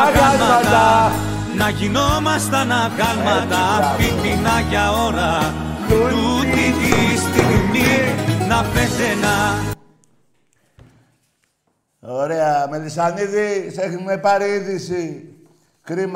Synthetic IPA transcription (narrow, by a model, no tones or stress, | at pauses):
ɣamɐat̪ | nɐʝino̞mɐst̪ɐnɐɣɐlmɐt̪ɐfiminɐʝɐo̞ɾɐ | t̪ut̪itist̪inininɐpesenɐ | oɾeɐmeðisɐniðiθexumepɐɾiðisi | kɾim